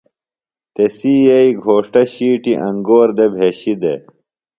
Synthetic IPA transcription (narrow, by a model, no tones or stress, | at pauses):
t̪esijɐiɡʱoːʂʈɐɕiːʈiʔɐŋɡoːɾd̪ebʱeːɕid̪e